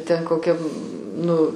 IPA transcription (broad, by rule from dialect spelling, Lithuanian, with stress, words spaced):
tʲɛn koːˈkʲɛm ˈnʊ